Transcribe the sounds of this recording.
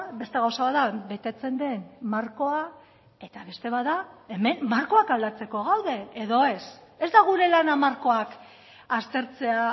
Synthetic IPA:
be̞st̪eɣawsaβaðabe̞t̪e̞t͡se̞nd̪e̞nmaɾko̞a | e̞t̪aβe̞st̪e̞βaðae̞me̞mːaɾko̞akald̪at͡se̞ko̞ɣawðe̞eðo̞e̞se̞zd̪aɣ̞uɾe̞lanamaɾko̞ak | ast̪e̞ɾt͡se̞a

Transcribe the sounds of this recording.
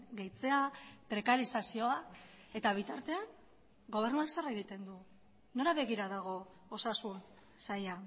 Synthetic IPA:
ɡejt͡se̞apɾe̞kaɾisasio̞a | e̞t̪aβ̞it̪aɾt̪e̞an | ɡo̞β̞e̞rnuaksaraeɣit̪e̞nd̪u | no̞ɾaβe̞ɣiɾaðaɣ̞o̞ | osasun | saja

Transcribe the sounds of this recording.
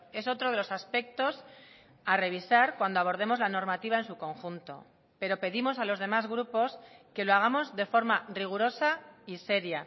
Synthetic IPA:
e̞so̞t̪ɾo̞ðe̞lo̞saspe̞k̚t̪o̞s | are̞β̞isaɾkwand̪oaβ̞o̞ɾð̞e̞mo̞zlano̞ɾmat̪iβ̞aensuko̞ŋxunt̪o̞̰ | pe̞ɾo̞pe̞ðimo̞salo̞zðe̞mazɣɾupo̞ske̞loaɣ̞amo̞zðe̞fo̞ɾmariɣuɾo̞saise̞ɾja

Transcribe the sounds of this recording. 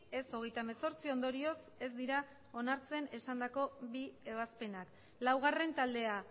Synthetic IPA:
e̞so̞ɣ̞e̞jt̪ameso̞ɾt͡sio̞nd̪o̞ɾio̞s | e̞zd̪iɾa | o̞naɾt͡se̞ne̞sand̪ako̞bie̞β̞aspe̞nak | lawɣ̞are̞nt̪ald̪e̞a

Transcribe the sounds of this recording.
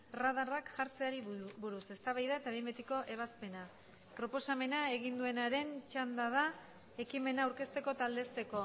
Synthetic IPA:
raðarakʝaɾt͡se̞aɾibuɾusest̪aβajðae̞t̪aembet̪iko̞ʔe̞β̞aspe̞na | pɾo̞po̞same̞nae̞ɣind̪ue̞naɾe̞nt͡ʃand̪að̞a | e̞kime̞naːuwɾke̞st̪e̞ko̞t̪ald̪e̞st̪e̞ko̞

